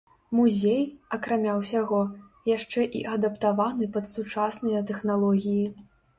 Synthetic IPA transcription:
muzʲejɐkɾamʲawsʲaɣɔ | jaʂt͡ʂɛʔḭʔɐd̪ɐpt̪avanɨpɐt̪sut͡ʂasnɐjɐt̪ɛxnalˠɔɣʲiji

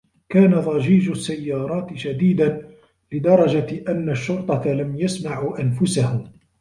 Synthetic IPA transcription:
kaːnaðˤɑʒiːʒʊsːajːɑːɾˤɑːt̪ɪʃad̪iːd̪an | lɪd̪ɑɾˤɑd͡ʒaʔanːaʃːʊɾt̪ˤɑt̪alamjasmaʕuːʔanfʊsahʊm

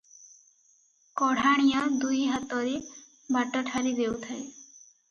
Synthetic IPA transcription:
kɔɽ̤aɽ̃ijɔd̪ujɦat̪ɔɾe | baʈɔʈʰaɾid̪ewt̪ʰae

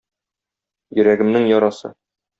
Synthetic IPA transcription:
jɵ̆ɾæɡɘ̆mnɘŋjɒɾɑsɤ̰

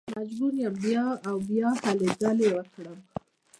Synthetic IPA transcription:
mad͡ʒɡunjambjɑawbjɑhaled͡ʒɑlewəkɽəm

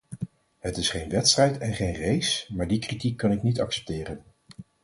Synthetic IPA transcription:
ɦətɪsχejnʋɛtstrɛjtɛnχejnrejsmaːɹdikritikːɑnɪknitɑksɛ̥p̚tɪːrən

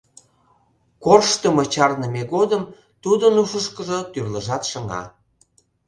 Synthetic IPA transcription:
korʃt̪əmət͡ɕɑrnəmeɣod̪əm | t̪ud̪ənuʃəʃkəʒŏt̪yrləʒɑt̪ʃə̆ŋɑ̰

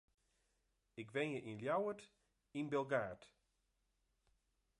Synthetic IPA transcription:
ɪkʋɛnjəʔinljawət | inbɛlˠɡaːt

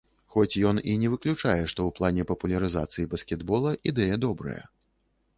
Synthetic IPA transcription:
xɔt͡sʲjɔninʲɛvɨklʲut͡ʂajɛʂt̪ɔwplˠanʲɛpɐpulʲɐɾɨza̰t̪sɨjibɐskʲɛd̪bɔlˠɐʔid̪ɛjɛd̪ɔbɾɐ̰jɐ̰

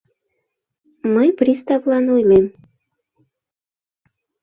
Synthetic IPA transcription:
məjpɾʲist̪ɑvlɑnujlem

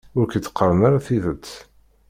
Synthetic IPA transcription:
ʊɾkət͡s̪ːə̥qːəɾˤənaɾaθiðət͡sː

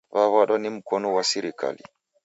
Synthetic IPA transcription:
vaβaɗɔnim̩kɔnuwasiɾika̰lḭ

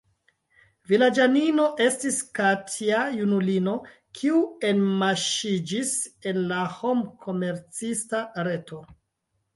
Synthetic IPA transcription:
vilad͡ʒanino̞ʔe̞stiskatʰiajunulino̞ | kʰiue̞nmaʃid͡ʒise̞nlaho̞mkʰo̞me̞ɾt͡sistaɾe̞tʰo̞

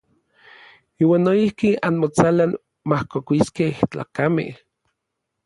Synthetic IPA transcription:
iːwaːnːoihkianmot͡salan | mahkokʷisket͡ɬa̰ːkamḛh

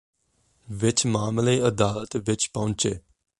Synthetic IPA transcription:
ʋɪt͡ʃmaːmleːɐd̪aːlət̪ʋɪt͡ʃpɐʊ̃nt͡ʃeː

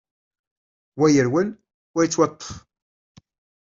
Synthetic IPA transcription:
wæjəɾwən | wæjit͡sːwɑt̪ˤːə̥f

